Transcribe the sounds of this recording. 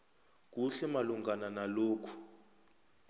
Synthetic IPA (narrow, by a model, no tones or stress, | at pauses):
k̬uɬɛmaluŋɡananaloːkʰu̥